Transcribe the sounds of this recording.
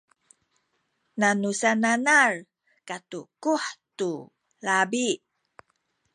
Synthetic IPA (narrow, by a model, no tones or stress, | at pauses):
nanusananar | katukuħtu | labi